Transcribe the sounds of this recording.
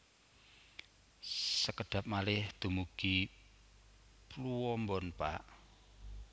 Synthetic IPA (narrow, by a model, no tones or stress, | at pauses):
səkəɖ̥ä̤p̚malɪhd̪̥ṳmuɡ̥i | pluwɔmbɔnpa̰ʔ